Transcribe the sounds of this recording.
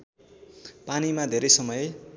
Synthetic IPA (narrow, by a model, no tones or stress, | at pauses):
panimad̪ʱeɾʌjsʌmʌj